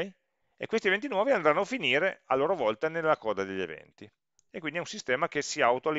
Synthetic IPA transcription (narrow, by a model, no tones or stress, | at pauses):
j | ḛkːwest̪ievent̪inwɔːviand̪ɾanːoafiniːɾealːoːɾovɔlt̪anelːakɔːd̪ad̪eʎːḛvɛ̰nt̪i | ekːwind̪iɛunsist̪ɛːmak̟esiaːwt̪oali